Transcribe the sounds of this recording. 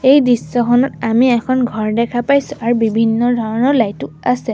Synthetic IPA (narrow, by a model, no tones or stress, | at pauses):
ejdɹisːɔkʰɔnɔtamiɛkʰɔnɡʱɔɹdɛkʰapajsʊʔaɹubibʱinːɔdʱɔɹɔnɔɹlajtʊ | asɛ